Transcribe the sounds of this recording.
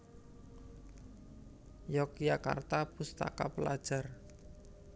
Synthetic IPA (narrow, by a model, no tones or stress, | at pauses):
jɔkjaka̰rt̪apust̪a̰kapəlad̥ʒ̥a̤r